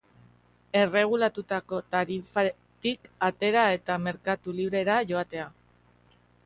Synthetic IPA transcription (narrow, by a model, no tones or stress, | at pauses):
e̞re̞ɣ̞ulat̪ut̪ako̞t̪aɾifa | t̪ikat̪e̞ɾae̞t̪ame̞ɾkat̪uliβ̞ɾe̞ɾaʝo̞at̪e̞a